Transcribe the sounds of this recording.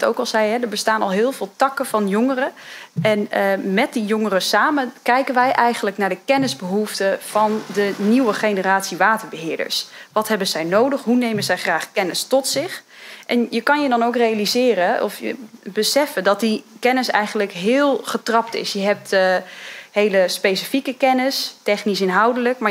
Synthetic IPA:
to̰wkɑlˠsɛjɦɛdəɹbəstaːnɑlˠɦɪːlˠvɪːlˠtɑkəv̥ɑnjoŋərəʔɛnəmɛt̚dijoŋərəsaːməkɛjkənʋɛjʔɛjχənləknaːɹdəkɛnɪzbəɦuftəv̥ɑndəniwəχenəraːtsiʋaːtəɹbəɦɪːɹdə̰ɹsʋɑtɦɛbənzɛjnowdəχɦunejməzɛjχraːχkɛnəstɔtsɪχ | ʔɛnjəkɑnjədɔnowkrejalizɪːɾəɔ̰fjə̰bəsɛfədɔt̚dikɛnɪsɛ̰jχəndləkɦɪːlˠχətrɑptɪ̰sjəɦɛp̚t | hejləspesifikəkɛnɪstɛχnis̬ɪnɦʌwdələkma

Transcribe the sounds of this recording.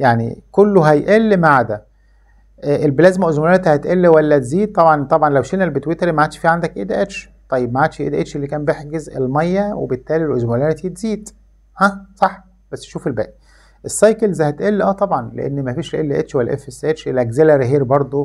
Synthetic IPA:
jaʕnḭkolːoɦæjʔelːmaʕad̪æ | ʔʔelblæːzmæʔozmolæɾt̪ihæt̪ʔelːiwælːæt̪ziːd̪̚t̪ˤːɑbʕɑnt̪ˤɑbʕɑnlæwʃenælbet̪wet̪eɾmaʕat̪ʃfiːʕand̪ækʔed̪æʔet̪ʃ | t̪ˤɑjːeb̚maʕat̪ʃʔḛd̪æʔet̪ʃelːikæːmbeħɡezḛlmɑjːæwḛbet̪ːæːlilʔozmolæɾt̪it̪ziːd̪ | hæsˤɑħ | b̥æsːʃuːfelbæ̰ːʔi | ʔesˤːɑjkelzæhæt̪ʔelːiʔæːt̪ˤɑbʕɑnlḛʔḛnːmæfiːʃlʔelːiʔḛt̪ʃwælːæʔefesʔet̪ʃʔelʔæɡzelæɾɦiːɾbɑɾˤd̪ˤo

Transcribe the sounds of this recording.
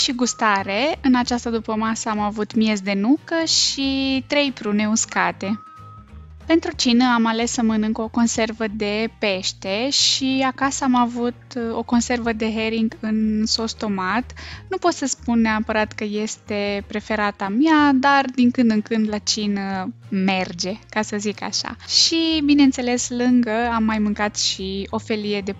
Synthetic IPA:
ʃiɡust̪aɾe̞ɨnat͡ʃast̪əd̪upəmasəamavut̪mje̞zd̪e̞nukəʃit̪ɾe̞jpɾune̞uskat̪e̞ | pe̞nt̪ɾut͡ʃinəamale̞səmənɨŋkəoko̞nse̞rvəd̪e̞pe̞ʃt̪e̞ʃiakasəamavut̪o̞ko̞nse̞rvəd̪e̞ɦeɾiŋɡɨnso̞st̪o̞mat̪nupo̞t̪səspunːeapəɾat̪kəje̞st̪e̞pɾe̞fe̞ɾat̪amiad̪ard̪iŋkɨnd̪ɨŋkɨnd̪lat͡ʃinəme̞rd͡ʒe̞kasəzika̰ʃa̰ʃibine̞nt̪se̞le̞slɨŋɡəamːajmɨŋkat̪ʃio̞fe̞lije̞d̪e̞

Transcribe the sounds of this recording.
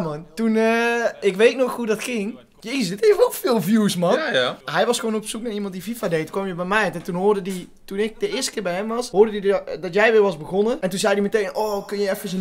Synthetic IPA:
mɔntunəɪkʋeːtnoxhudɔtkɪŋ | jəisdɪtefofɪːlˠfjuːsmɔnhɛjʋɔsxəʋoːnopsuk̚narimɑntdififadeːtkɔmjəbɛjmɛjtɛtunɦoːrdədi | tunɪk̚dəɪəstə̥kɪːrbɛjɦɛmʋɑsɦoːrdədiddɔtjɛjʋɪːrʋɑzbəɣonəɛntunzɛjdiməteːnoːkønjəɛfəsən

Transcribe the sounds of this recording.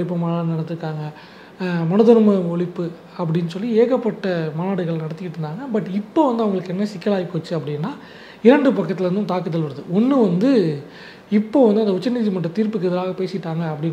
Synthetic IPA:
ɭɪpːɐmaːnlɐnɐɽɐt̪ːɯɾɯkːaːŋɡɐ | mɐnɐðɐɾmɐɔɭɪpːɯ | ɐpːɐɽɪnːɯsɔlːieːɣɐpːɐʈːɐmaːnaːɽɯɣɐɭnɐɽɐt̪ːɯkːɪʈːɯnd̪aːŋɡɐbɐʈːɪpːoːʋɐnd̪ɯɐʋɐŋɡɐɭɯkːɛnːɐsɪkːɐlaːjikoːt͡ʃːɯɐpːɐɽɪnːaː | ɪɾɐɳɖɯpɐkːɐt̪ːɪlɐɾɯnd̪ɯmt̪aːkɯt̪ːɐlʋɐɾɐðɯɔnːɯʋɐnd̪ɯ | ɪpːoːʋɐnd̪ɯɐnd̪ɐʊt͡ʃːɐnːiðimɐʈrɐt̪iːɾpɯkːɯɪðɐɾaːɣɐpeːsɪʈːaːŋɡɐːpːɐɽɪn

